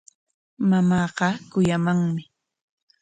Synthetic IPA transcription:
mamɑːɢɑkʊjamaŋmɪ

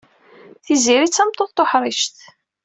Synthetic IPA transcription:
θiziɾit͡sːæmt̪ːˤoðt̪ːoħɾˤiʃt̪

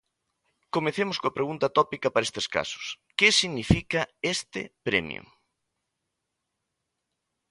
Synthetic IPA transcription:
komẽθemʊskoɐpɾeɣunt̪at̪ɔpikɐpaɾest̪eska̰sʊ̥s | kesiɣnifikɐest̪ɪ̰pɾḛmj̰ṵ

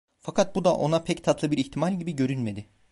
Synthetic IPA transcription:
fakʰat̪̚bud̪aʔo̞napʰɛct̪ʰat̪lˠɯbiɾiçt̪ʰimalʲɟibiɟø̞ɾynme̞d̪ɪ

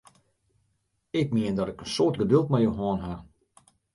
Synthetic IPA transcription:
ɪk̚mɪəndɔtɪkənsoːrtɡədølˠtmajoɦoənɦa

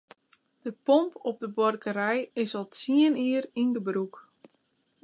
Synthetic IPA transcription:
d̥əpɔmpɔp̚dəbɔrkəɾɛjɪsɔlˠsiəniərindəbruk

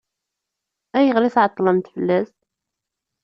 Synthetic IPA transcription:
æjəʁliθʕɑt̪ˤːləmt̪fəlːæs

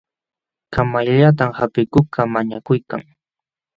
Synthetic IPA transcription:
kamaʎaʎat̪̬amhapɪkʊkʰamaɲakʊjka̰ŋ

